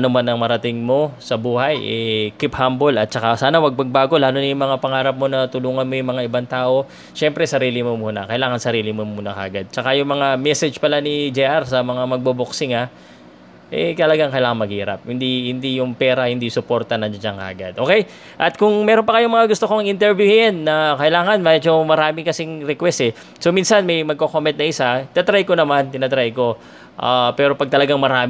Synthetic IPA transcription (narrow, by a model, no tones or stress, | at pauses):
ɐnomanɐŋmɐɾɐt̪ɪŋmo̞sɐbuːhɐjʔɛkɪphambo̞lɐt̪̚t͡ʃɐkasaːnɐwɐɡ̚pɐɡ̚baːɡo̞laːnonɐjʊŋmɐŋapɐŋaːɾɐp̚mo̞nɐt̪ʊluːŋɐnmo̞jʊŋmɐŋaʔɪbant̪aːʔo̞ | ʃɛmpɾɛsɐɾiːlɪmomunɐ̰kɐʔɪlaːŋɐnsɐɾiːlɪmomuːnɐkɐ̰ʔɐɡad̪̚t͡ʃɐkajʊŋmɐŋamɛsɛd͡ʒpɐlanid͡ʒɛʔaɾsɐmɐŋamɐɡ̚boboksɪŋa | ʔɛkt̪ɐlɐɡaŋkɐjɪlaːŋɐnmɐɡhiːɾɐ̰p̚hɪnd̪ihɪnd̪ijʊŋpɛːɾɐhɪnd̪isʊpo̞ɾt̪ɐnɐʃaŋkɐ̰ʔɐɡa̰d̪ʔo̞ːkɛj | ʔɐt̪̚kʊŋmɛɾo̞npɐkɐjoŋmɐŋaɡʊst̪okoɐŋʔɪnt̪ɛɹbjʊhɪɪnːɐkɐʔɪlaːŋɐnmɛd͡ʒo̞mɐɾaːmɪkɐsiŋɾɛkwɛsɛ | so̞minsɐnmɐjmɐɡ̚kokomɛnt̪nɐʔɪsat̪ɪnɐt̪ɾajkonɐmant̪ɪnɐt̪ɾajko̞ | ʔapɛːɾo̞pɐɡ̚t̪ɐlɐɡaŋmɐɾaːm